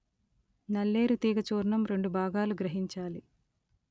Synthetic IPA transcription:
nɐlːe̞ːɾut̪iːɡɐt͡ʃoːɾɳɐmɾe̞ɳɖubʱaːɡaːluɡɾɐɦiɲt͡ʃaːli

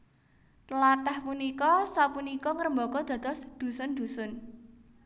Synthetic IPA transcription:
t̪əlat̪ahpunikɔsapunikɔŋəɾəmbɔkɔd̪̥a̤d̪ɔsd̪̥ṳsʊnd̪̥ṳsʊn

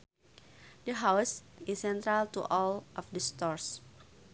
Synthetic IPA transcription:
dəɦawsisːɛ̃nt̪ɾalt̪ṵʔɔlʔɔfdəst̪ɔɹs

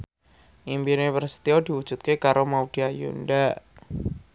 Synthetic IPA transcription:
ʔimbinepərsi̥t̪iodiwu̥ʒ̥ut̪̚kekaɾomaud̥iajṵndaʔ

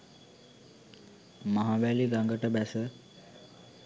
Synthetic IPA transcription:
məɦabæliɡaŋɡəʈəbæsə

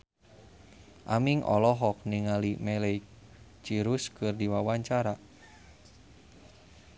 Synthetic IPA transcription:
ʔamiŋʔɔ̰lɔɦɔk̚niŋalimɛlejk | t͡ʃiɾuskɨrdiwawaɲt͡ʃaɾa

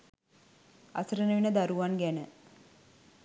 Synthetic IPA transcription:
a̰səɾənəʋinəd̪aɾuʋanɡænə

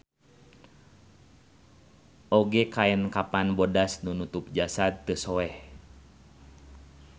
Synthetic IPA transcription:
ʔɔɡɛkaɛnkapanbodasnunut̪up̚d͡ʒasat̪ːəsɔɛh

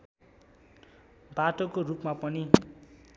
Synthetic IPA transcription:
baʈokorupmapʌni

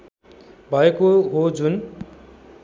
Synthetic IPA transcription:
bʱʌekoɦod͡zun

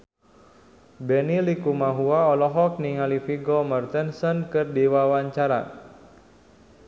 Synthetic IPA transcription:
bɛnilikumaɦuaɔlɔɦɔk̚niŋalifiɡɔmərt̪ənsənkərdiwawaɲt͡ʃaɾa̰n

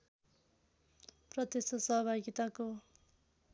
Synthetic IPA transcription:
prʌd̪esʌsʌɦʌbʱaɡit̪ako

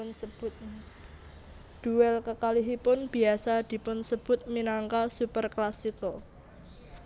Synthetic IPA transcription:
nsəb̥ʊt̪̚ | d̪̥ṳwɛlkəkaliɦipʊnb̥i̤asad̪̥i̤pʊnsəb̥ʊ̤t̪̚minaŋkasupərklasikɔ

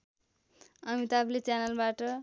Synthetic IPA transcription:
ʌmit̪ablet͡sanʌlbaʈʌ

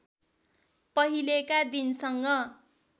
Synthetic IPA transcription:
pʌɦilekad̪insʌŋɡʌ

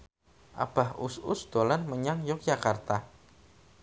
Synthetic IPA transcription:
ʔa̰b̥a̤hʊsʊsd̪̥olanməɲaŋjɔk̚d͡ʒakart̪a

